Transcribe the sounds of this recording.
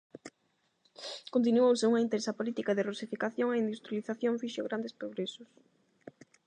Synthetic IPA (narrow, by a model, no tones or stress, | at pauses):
kont̪̬inuowseuŋɐint̪ɛnsɐpolit̪ikaðɪrusifikaθjoŋaind̪ust̪ɾjaliθaθjõɱfiʃoɣɾand̪espɾoɣɾesʊs